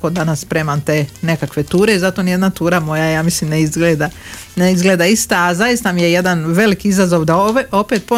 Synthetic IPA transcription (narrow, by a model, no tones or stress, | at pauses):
kod̪anasːpɾeːmant̪e̞ːne̞kakʋe̞t̪uːɾe̞izat̪o̞nije̞d̪nat̪uːɾamo̞jajaːmislimneizɡleːd̪a | neizɡleːd̪aist̪aːzajist̪amijejed̪anʋe̞likiizazo̞ʋd̪aoo̞peːt̪̚po